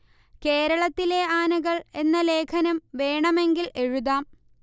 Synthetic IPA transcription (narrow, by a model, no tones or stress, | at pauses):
ke̞ːɾɐɭɐt̪ːile̞aːnɐɣɐɭe̞nːɐle̞ːkʰɐnɐmʋe̞ːɳɐmeŋɡile̞ɻuðaːm